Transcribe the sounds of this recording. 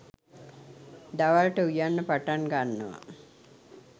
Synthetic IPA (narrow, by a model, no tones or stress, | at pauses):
d̪aʋalʈəujanːəpaʈanɡanːə̰ʋə̰